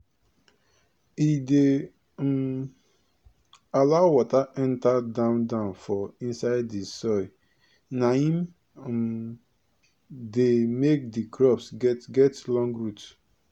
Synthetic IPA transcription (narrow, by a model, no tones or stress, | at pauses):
ide | m | alaʊwɔtaʔɛ̃ntadãʊ̃ndãʊ̃nfɔĩnsaɪddisɔɪ | nahĩm | demek̚dikʰɹɔpsɡɛtɡɛtlɔ̃ŋɡɹut